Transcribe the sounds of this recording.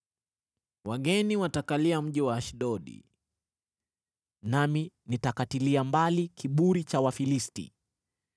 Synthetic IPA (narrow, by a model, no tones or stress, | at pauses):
waɠɛniwatakaliam̩ʄiwaːʃɗɔɗḭ | nami | nitakatiliambalikiɓuɾit͡ʃawafilistḭ